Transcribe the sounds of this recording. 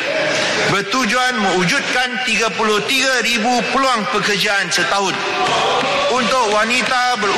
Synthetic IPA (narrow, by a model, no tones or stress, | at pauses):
bət̪ud͡ʒuanmə̃ud͡ʒut̪̚kant̪iɡapulʊht̪iɡaɾibupəluaŋpəkərd͡ʒaansət̪aɦʊn | unt̪ʊkwanit̪abər